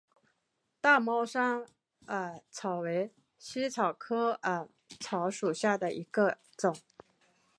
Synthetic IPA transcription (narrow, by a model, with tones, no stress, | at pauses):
t̪a˥˩mɑ˥ʊʂɑ˥ŋ | ə˧˩t͡sʰɑ˨˩ʊwe˧˥ɪ | ɕi˥t͡sʰɑ˨˩ʊkʰɤ˥ə˩ | t͡sʰɑ˧˥ʊʂu˨˩ɕja˥˩d̪ə˩ʔḭ˧˥ɡə˧ | t͡sʊ˨˩˦ŋ